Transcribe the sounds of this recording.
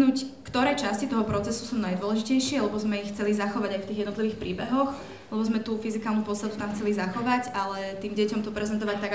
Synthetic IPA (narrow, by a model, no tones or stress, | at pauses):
nuːckt̪ɔɾɛjt͡ʃascit̪ɔɦɔpɾɔt͡sɛsusuːnajd̪ʊɔlɛʒicɛjʃɪɛlɛbɔzmɛixt͡sɛlizaxɔʋaɟajft̪iːɣjɛd̪nɔt̪liʋiːxpɾiːbɛɦɔx | lɛbɔzmɛt̪ufizikalnupɔst̪at̪ut̪amxt͡sɛlizaxɔʋaɟalɛt̪iːmɟɛcɔmt̪ɔpɾɛzɛnt̪̬ɔʋac̚t̪aɡ